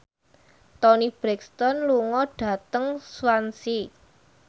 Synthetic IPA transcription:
t̪ɔnib̥ɾɛkst̪ɔnluŋɔɖ̥ä̤t̪əŋswansi

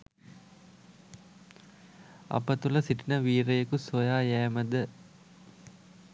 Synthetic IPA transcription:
ɐ̰pət̪ulɐsiʈinəʋiːɾejəkusojaːjæːməd̪ə

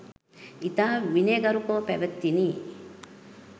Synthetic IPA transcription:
it̪aʋineɡɐɾukoːpeʋɐt̪ːini

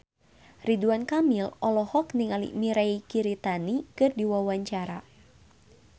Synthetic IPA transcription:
riduankamilɔlɔhɔkniŋalḭʔmiɾaikiɾit̪anikɨrdiwawaɲt͡ʃaɾa

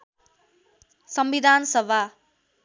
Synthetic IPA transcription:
sʌmbid̪ʱansʌbʱa

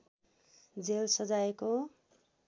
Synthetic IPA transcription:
d͡zelsʌd͡zajeko

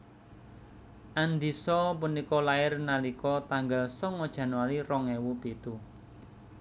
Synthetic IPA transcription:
ʔand̪isɔpunikɔlaɪrnalikɔt̪aŋɡalsɔŋɔd̥ʒ̥ä̤nwalirɔŋɛwupit̪u

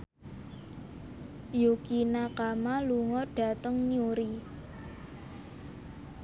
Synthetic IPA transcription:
jukinakamaluŋɔɖ̥a̤t̪əŋɲiuɾi

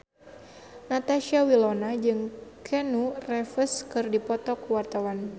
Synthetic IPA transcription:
nat̪aʃiawilɔnad͡ʒɨŋkʰɛnurɛfəskɨrdipɔt̪ɔkuwart̪awan

